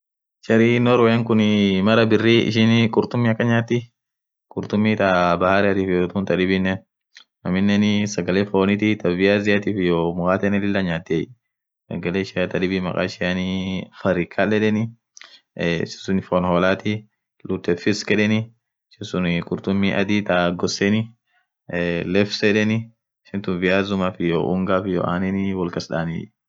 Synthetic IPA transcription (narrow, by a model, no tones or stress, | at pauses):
t͡ʃɐɾinɔɾwɔjɛŋkʊnɪmɐɾɐbɪrːiɪ̰ʃɪnɪkʼʊɾt̪ʊmːiɐkːɐɲaːt̪ːɪ | kʼʊɾt̪ʊmːit̪ɐbɐhaɾɛɐt̪iːfjot̪unt̪ɐᶑɪbɪnːɛ | nɐmɪnːɛnɪsɐɡɐleːfoːnɪt̪it̪ɐvɪazɪjat̪iːfjɔmʊkaːt̪ɛnɛlɪlːɐɲaːt̪ːɛ | sɐ̰ɡɐleːʃɪat̪ɐᶑɪbimɐ̰kʼa̰ːʃɪanɪfɐɾɪkʰːalɛᶑɛnɪ | sɪ̥sʊnɪfɔnhɔːlaːt̪i | lʊt̪ɛfɪskɛᶑɛnɪ | ʃɪnsʊnkʼʊɾt̪ʊmːiʔɐ̰d̪it̪ɐɡɔsːɛnɪ | lɛfsɛᶑɛnɪ | ʃɪnt̪ʊnvɪjaːzʊmafɪjoʔʊŋɡaːfɪjɔ̰ʔaːnɛnɪwɔlkɐsᶑaːnɪ̰